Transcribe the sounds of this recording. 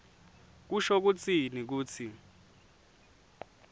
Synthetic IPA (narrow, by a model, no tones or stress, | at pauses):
k̬uʃɔk̬ut͡sʰʼinik̬uːt͡sʰi